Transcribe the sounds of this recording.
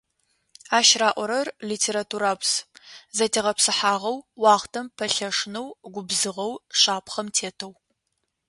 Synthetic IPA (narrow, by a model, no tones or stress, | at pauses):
aːʃraːʔʷɔɾɐrliːtʰeːɾatʰuːɾaːpszɐtʰeːʁɐpsɨħaːʁɐwːɑːχtʰɐmpʰɐɬɐʂnɐwɡʷʊbzɨʁɐwɕaːpχɐmtʰeːtʰɐw